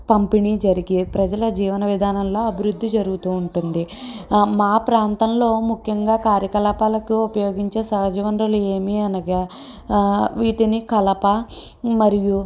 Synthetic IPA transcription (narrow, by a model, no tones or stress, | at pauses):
pɐmpinid͡ʒɐɾiɡipɾɐd͡ʒɐlɐd͡ʒiːʋɐnɐʋid̪ʱaːnɐmlo̞ːɐbʱiɾud̪ʱːid͡ʒɐɾuɡut̪uːɳʈund̪imaːpɾaːnt̪ɐmlo̞ːmukʰjɐŋɡaːkaːɾjɐkɐlaːpaːlɐkuupɐjo̞ːɡiɲt͡ʃe̞ːsɐɦɐd͡ʒɐʋɐnd̪ɾɐlue̞ːmiɐnɐɡa | ʋiːʈinikɐlɐpɐ | mɐɾiju